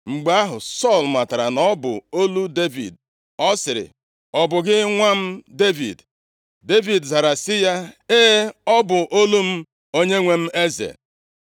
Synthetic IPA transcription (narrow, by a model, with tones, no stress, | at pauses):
ŋ͡m̩˨ɡ͡ba˦a˦ɦʊ˨sɔ˦˨lma˨ta˨ɾa˨nɔ˦bʊ̰˨o˦lu˦de˦vḭ˨d | ɔ˦sɪ˨ɾɪ̰˨ | ɔ˨bʊ˨ɡɪ˦ŋʷa˦m̩˦de˦vḭ˨d | de˦vi˨dza˨ɾa˨sɪ˦ja˦e˦ɔ˦bʊ˨ʔo˦lu˦m̩˦ | o˦ɲe˦ŋʷe˦m̩˦e˦zḛ˨